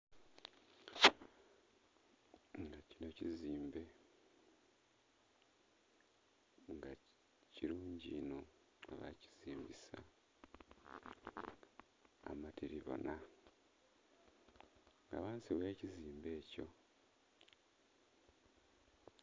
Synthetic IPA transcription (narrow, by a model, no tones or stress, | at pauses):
ŋɡacino̞ciziːmbe̞ | ŋɡa | ciɾuːɲɟino̞ | aβa̰ci̥z̥iːmbisa | matʰiɾiβo̞̰na | ŋɡa̰ːβaːnsiβweːciziːmbe̞ːco̞̰